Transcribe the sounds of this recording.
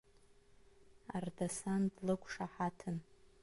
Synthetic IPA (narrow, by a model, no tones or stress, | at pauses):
ardasandlɨkʷʰʼʂaħatʰɨn